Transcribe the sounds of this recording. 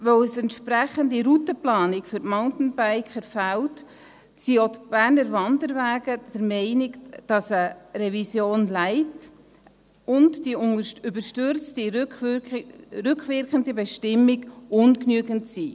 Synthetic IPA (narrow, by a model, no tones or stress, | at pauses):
vœwəsɛntʃpɾæχəndiɾutəplɑːnɪkfʏɾtmaʊntn̩baɪkχəɾfælt | siotb̥æːɾnəɾvɑndəɾvæːɡədəɾmɛɪnɪkd̥ɑsəɾɛvisjoːnlæɪt | ʊntd̥iybəɾʃtʏɾt͡sti | ɾʏkχvɪɾkχəndibɛʃtɪmːiɡʊnknyəɡəntsi